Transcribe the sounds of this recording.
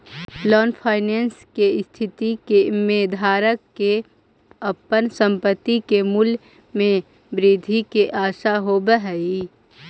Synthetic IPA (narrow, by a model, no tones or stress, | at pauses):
lɔːnpʰaːɪneːnskest̪ʰɪt̪ikemeːd̪ʱaːɾəkːe | əpənsə̃mpət̪ːikemʊl | mẽ | bɾid̪ʱikeʔaːʃaɦobəɦɛi